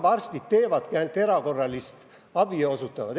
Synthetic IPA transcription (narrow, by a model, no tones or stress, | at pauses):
bɑrst̪it̪̚t̪e̞ːvɑd̪̥kænt̪ːe̞ɾɑko̞rːɑlist̪ | ɑb̥io̞sut̪ːˑɑvɑd̪